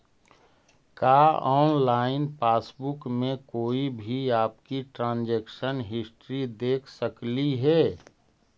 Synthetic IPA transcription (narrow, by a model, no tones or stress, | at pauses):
kaːɔːnlaːɪnpaːsbʊkmẽkoːibʱiaːp̚kiʈɾãːnd͡ʒeːkʃənɦɪsʈɾid̪eːkʰsəkliɦɛː